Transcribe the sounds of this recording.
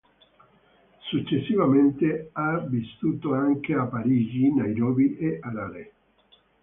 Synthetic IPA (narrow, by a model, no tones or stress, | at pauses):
sut͡ʃːesːivament̪eavist̪uːt̪oaŋkeapːaɾiːd͡ʒinajɾɔːbiʔeʔaɾaɾe